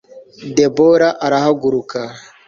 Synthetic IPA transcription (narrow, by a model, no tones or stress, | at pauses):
deboɾaʔaɾahaɡuɾuka